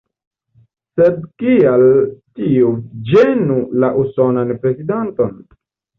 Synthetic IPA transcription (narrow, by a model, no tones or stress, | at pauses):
sed̚kialtiud͡ʒenulaʔuso̞nanpɾe̞zidento̞n